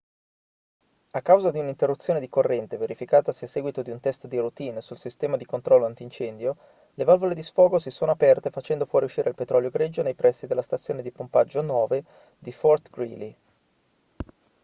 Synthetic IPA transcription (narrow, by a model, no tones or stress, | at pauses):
akːawzad̪iunint̪erːut̪sːjoːned̪ikorːɛnt̪eveɾifikaːt̪asiasːɛːɡwit̪od̪iunt̪ɛst̪d̪irut̪iːnsulsist̪ɛːmad̪ikont̪ɾɔlːoant̪int͡ʃɛnd̪jo | levalvoled̪isfɔːɡosisoːnoapɛrt̪efat͡ʃɛnd̪ofwɔːɾiuʃːiːɾʔealpet̪ɾɔljoɡɾed͡ʒːonejpɾʔɛsːid̪elːast̪at̪sːjoːned̪ipompad͡ʒːonwɔːve | d̪ifɔrt̪ɡɾili